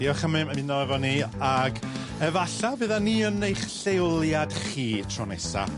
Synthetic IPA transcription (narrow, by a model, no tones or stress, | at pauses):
iːɔχəmɨmmɨnɔɛvɔniaɡ | ɛvaɬavɨðaniənejχɬeʊlˠjad̥χiːtʰrɔnɛsa̰